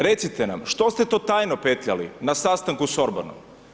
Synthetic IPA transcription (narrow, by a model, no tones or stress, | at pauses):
ɾe̞t̪sit̪ena̰mʃt̪o̞st̪et̪o̞ːt̪aːjnopeːt̪ʎalḭnasast̪aŋkusoɾba̰no̰m